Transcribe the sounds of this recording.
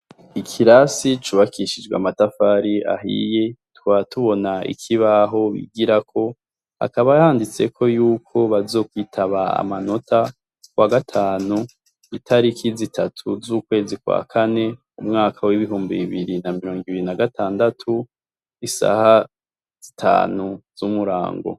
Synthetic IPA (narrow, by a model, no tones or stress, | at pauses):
ikʰiɾasit͡ʃuβakʰiʃid͡ʒɡwea̰matafaɾia̰ɦḭje̞twatuβo̞naḭkʰiβaɦo̞βḭɡiɾakʰo̞ | a̰kaβahaːndit͡se̞kʰo̞juːkʰo̞βazo̞ːkwiːtʰaβaa̰mano̞tʰa | kwaɡatʰaːnu | itʰaɾikʰizitʰatʰuzuːkwe̞ːzikwa̰kʰane̞ | umŋaːkʰawiβiɦuːmbiβiβiɾinamiɾo̞ːŋɡiβiɾinaɡatʰaːndatʰu | isa̰ha | z̥itʰa̰ːnuz̥umuɾa̰ːŋɡo̞̰